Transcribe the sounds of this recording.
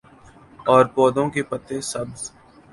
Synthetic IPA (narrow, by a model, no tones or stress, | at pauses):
ɔːɾpɔːd̪õkepət̪esɐbz̥